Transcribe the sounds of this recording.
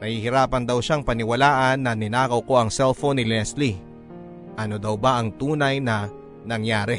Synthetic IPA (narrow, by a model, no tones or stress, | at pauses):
nɐhihɪɾaːpɐnd̪ɐwʃaŋpɐnɪwɐlaːʔɐnːɐnɪnaːkɐwko̞ʔɐŋsɛlfonːɪlɪɛsli | ʔɐnod̪ɐwbaʔɐŋt̪uːnɐjnɐ | nɐŋjaːɾɛ